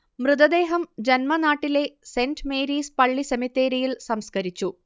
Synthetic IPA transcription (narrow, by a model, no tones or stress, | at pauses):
mrɨd̪ɐd̪e̞ːɦɐmd͡ʑenmɐnaːʈːile̞sendmeːɾiːspɐɭːisemit̪ːeːɾijilsɐmskɐɾit͡ɕːu